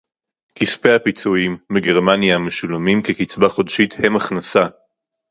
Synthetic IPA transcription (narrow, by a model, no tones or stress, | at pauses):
kispeapit͡suimbeɡe̞ʁmanjameʃulomimkekit͡sbaχo̞dʃithe̞maχnasa